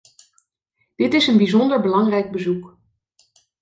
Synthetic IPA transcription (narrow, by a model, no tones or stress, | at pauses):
d̥ɪtɪsənbizɔndəɹbəlɑŋrɛjɡ̚bəzuk